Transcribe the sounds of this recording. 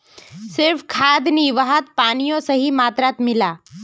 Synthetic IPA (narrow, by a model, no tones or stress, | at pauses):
sɪɾfkʰaːd̪niʋəɦət̪̚paːnijõsɐɦimaːt̪ɾat̪mɪlaː